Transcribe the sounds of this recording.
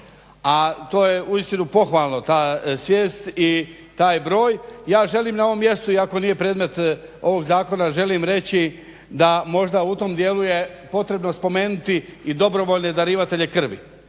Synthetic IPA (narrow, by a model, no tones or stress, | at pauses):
at̪o̞ːjeuist̪inupo̞xʋaːlˠno̞t̪aːsʋjeːst̪i | t̪aːjbɾo̞ːjjaːʒe̞liːmnao̞ʋo̞mːje̞st̪uiako̞nije̞pɾe̞ːd̪me̞t̪o̞ʋo̞ɡzaːko̞naʒe̞limɾe̞t͡ɕi | d̪amo̞ʒd̪aut̪o̞md̪je̞ːluje̞po̞t̪ɾe̞bno̞spo̞me̞ːnut̪iːd̪o̞bɾo̞ʋo̞ːʎne̞d̪aɾiːʋat̪e̞ʎe̞kr̩ʋḭ